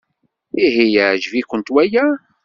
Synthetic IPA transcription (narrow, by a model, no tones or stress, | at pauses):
iɦijæd͡ʒvikʷːənt̪wæjæ